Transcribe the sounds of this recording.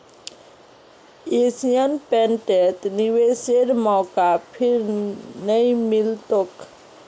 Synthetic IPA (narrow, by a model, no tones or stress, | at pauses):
esijənpɛ̃ɳʈet̪niʋeseɾmɔːkapʰɪɾnəĩmɪlt̪ok